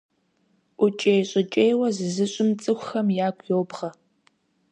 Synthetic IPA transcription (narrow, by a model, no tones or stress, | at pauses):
ʔʷʊt͡ʃʼejɕʼɪt͡ʃʼejwɐzɨzɨɕʼɪmt͡sʼɨxʷxɐmjaːkʷʰʼjowbʁɐ